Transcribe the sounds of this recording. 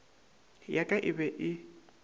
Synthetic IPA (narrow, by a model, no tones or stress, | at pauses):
jakʼaʔɪbɛʔɪ